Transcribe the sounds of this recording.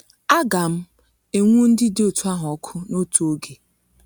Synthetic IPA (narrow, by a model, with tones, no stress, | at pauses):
a˦ɡa˨m̩˦ | e˨ŋʷu˦n̩˦dɪ˦dɪ˦o˨tu˦a˦ɦʊ˨ɔɔ˦kʰʊ˦no˦tu˨o˦ɡe˨